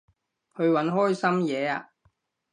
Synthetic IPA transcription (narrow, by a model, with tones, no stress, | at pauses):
hɵ˨˧ɥwɐ˨˥nɦɔː˥jsɐ˥mjɛː˨˧aː˧